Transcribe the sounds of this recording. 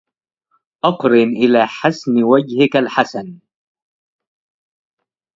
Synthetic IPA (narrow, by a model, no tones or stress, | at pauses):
ʔɑqɾɪnʔɪlaːħasnwad͡ʒhɪkalħasan